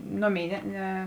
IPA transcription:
ˈnoːˌmʲeːɪ ˈnʲɛ ˈnʲɛ

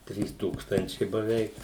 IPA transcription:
ˈtʲrʲiːs ˈtuːkstɐnʲt͡ʃʲɛɪ bɐˈʋʲɛɪk

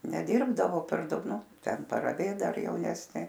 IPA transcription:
nʲɛˈdʲɪrbdɐʋoː pʲɛr ˈdɐʊk ˈnʊ ˈtʲɛn pɐrɐˈʋʲeːt ˈdɐr jɛʊˈnʲæːsʲnʲeː

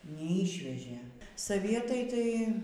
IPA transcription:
nʲɛˈiːʃʲʋʲɛʒʲeː sɐˈʋʲiɛtɐɪ ˈtɐɪ

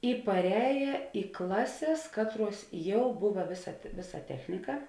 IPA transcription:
ɪ pɐrʲˈɛːjɛ ɪ ˈklˠɑːˌsʲeːs ˈkɑːtˌruɔs ˈjɛʊ ˈbʊʋɐ ˈʋʲeːˌsɐ ˈʋʲeːˌsɐ ˈtʲæːxʲnʲɪkɐ

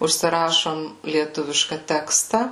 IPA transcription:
ʊʃʲsʲɪˈrɑːʃoːm lʲiɛˈtʊʋʲɪʃkɐ ˈtʲæːkstɐ

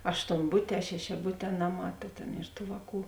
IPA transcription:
ɐʃtoːnˈbʊtʲɛː ʃʲɛʃʲɛˈbʊtʲɛː ˈnɑːˌmɑː ˈtɐ tʲeːn ɪr ˈtuː ˈʋɑːˌkuː

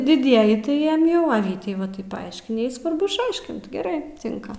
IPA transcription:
dʲɪˈdʲiɛjɪ tɐɪ ˈjiɛm ˈjɛʊ ɐ ˈʋʲiːtʲɛɪ ʋɐ ˈtɐɪp pɐˈɐɪʃʲkʲɪnʲɪ ˈjɛɪ sʋɐrˈbʊ ɪʃˈɐɪʃʲkʲɪnt ɡʲɛˈrɐɪ ˈtʲɪŋkɐ

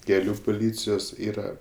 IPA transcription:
kʲɛˈlʲuː pʊˈlʲiːt͡sʲɪjoːs ˈiːrɐ

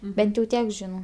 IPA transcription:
ˈbʲɛnt jɛʊ ˈtʲiɛk ˈʒʲɪnɐʊ

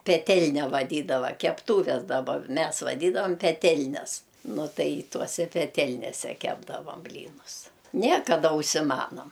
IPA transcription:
pʲɛˈtʲɛlʲnʲɛ ʋɐˈdʲiːdɐʋɐ kʲɛpˈtuːʋʲɛs dɐˈbɐ ˈmʲɛs ʋɐˈdʲiːdɐʋɐm pʲɛˈtʲɛlʲnʲɛs ˈnʊ ˈtɐɪ ˈtuɔsʲɛ pʲɛˈtʲɛlʲnʲeːsʲɛ ˈkʲæːbdɐʋɐm ˈbʲlʲiːnʊs ˈnʲɛ kɐˈdɐ ʊʃʲsʲɪˈmɑːnoːm

